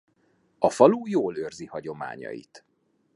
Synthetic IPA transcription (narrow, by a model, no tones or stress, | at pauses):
ɒfɒluːjoːlørzihɒɟo̞ma̰ːɲɒ̰jḭt̪